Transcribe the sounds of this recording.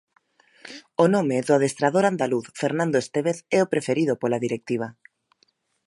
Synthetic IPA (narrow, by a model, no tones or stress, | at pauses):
onõmeðoaðest̪ɾaðoɾand̪aluθfeɾnãnd̪oest̪eβeθɛopɾefeɾið̞opolaðiɾek̚t̪iβ̞a